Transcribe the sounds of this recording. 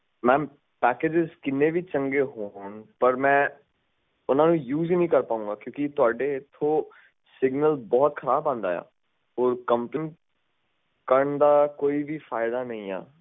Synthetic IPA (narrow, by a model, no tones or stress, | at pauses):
mɛ̃ː | pɛːkeːd͡ʒɪzkɪnːẽːbʱiːt͡ʃə̃ŋɡeːɦoːnpəɾmɛ̃ː | ʊnãːnũːjuːzinəĩːkəɾpaːũːŋɡaːkjõːkit̪ʊaːɖeɪt̪ʰːo | sɪɡnəlbɔːt̪xʰəɾaːbãːnd̪a̰ːja̰ː | ɔːɾkəmplɪn | kəɾəɳd̪aːkoːibʱiːfaːɪd̪aːnəĩːa̰ː